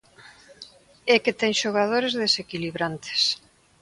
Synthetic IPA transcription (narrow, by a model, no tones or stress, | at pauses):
ɛket̪ɛŋʃoɣ̞að̞oɾezðesekiliβɾant̪e̥s